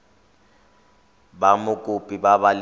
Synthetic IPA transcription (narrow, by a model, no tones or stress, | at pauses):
bamʊkʼʊpʼibabal